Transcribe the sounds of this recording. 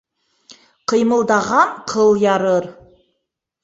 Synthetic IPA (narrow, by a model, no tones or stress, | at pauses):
qʰəjməlˠd̪ɑʁɑnqʰəlˠjɑɾɤɾ